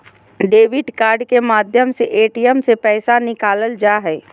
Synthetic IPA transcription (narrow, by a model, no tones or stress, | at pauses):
ɖeːʋɪɖkaːɾɖkemaːd̪ʱjəmseʔeːʈijəmsepɛːsanɪkaːləld͡ʒaːɦɛː